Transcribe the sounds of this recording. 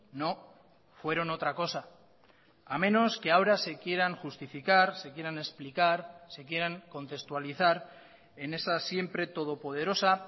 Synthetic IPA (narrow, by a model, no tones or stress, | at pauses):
no̞ | fwe̞ɾo̞no̞t̪ɾako̞saː | mẽ̞no̞ske̞aoɾase̞kje̞ɾaŋxust̪ifikaɾse̞kje̞ɾane̞splikaɾse̞kje̞ɾaŋko̞nt̪e̞st̪waliθaɾ | e̞ne̞sasje̞mpɾe̞t̪o̞ð̞o̞po̞ð̞e̞ɾo̞sa